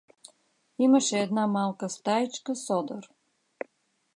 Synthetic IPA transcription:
iməʃɛːd̪namalˠkəst̪ait͡ʃkəsɔd̪əɾ

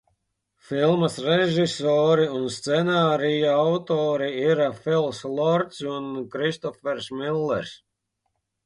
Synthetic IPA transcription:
filˠmɐsɾeʒisɔːɾiunst̪sɛnaːɾijaawt̪ɔːɾiiɾafilˠslˠɔɾt̪sunkɾist̪ɔfɛɾsmilˠːɛ̰ɾs

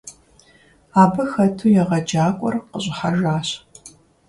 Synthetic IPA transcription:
aːbɨxɐtʰujɛʁɐd͡ʒaːkʷʼɔ̰rqəɕʷʼɪħaʒaːɕ

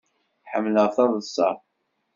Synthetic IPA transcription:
ħəmːləʁθɑðˤəsˤːɑ̰

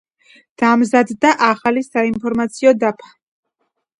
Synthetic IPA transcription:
d̪̥amzad̪ːaʔaχalisainpʰɔɾmat̪sʰiɔd̪apʰḁ

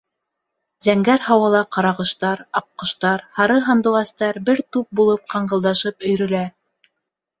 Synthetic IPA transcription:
zæŋɡæɾhɑwɑlˠɑqɑɾɑʁɤ̆ʃt̪ɑɾɑq̚qːɤ̆ʃt̪ɑɾhɑɾɤɦɑnd̪ɤ̆ʁɑst̪ɑɾbɘɾt̪up̚bulˠɤp̚qɑɴɢɤ̆lˠd̪ɑʃɤpɵ̆jɾɵ̆læ

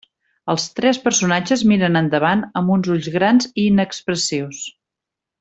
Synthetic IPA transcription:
əlˠst̪ɾɛspəɾsunad͡ʒəzmiɾənənd̪əβ̞anəmbunzuʎzɣɾanziːnəkspɾəsiws

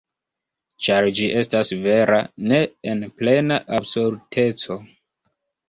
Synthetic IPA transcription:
t͡ʃaɾd͡ʒiʔe̞stasve̞ɾʔane̞enple̞naʔabsuɾtʰe̞t͡so̞

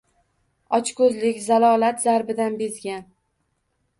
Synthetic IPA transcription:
ɒt͡ʃkʰɵzlɪkʲzalˠɒlat̪zaɾbɪd̪anbezɡʲan

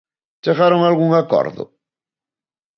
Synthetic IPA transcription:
d̪eɣaɾoŋalɣuŋakɔ̰ɾðʊ̰

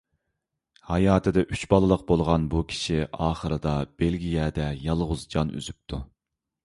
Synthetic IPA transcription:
hɑjɑːt̪ʰɨd̪ɛʔyt͡ʃbɑlˠɨlˠəq̚bolˠʁɑnbukʲʰi̥ʃiʔɑːχəɾɨd̪ɑb̥elɡʲijɛd̪ɛjɑlˠʁʊzd͡ʒɑny̰zyp̚t̪ʰu

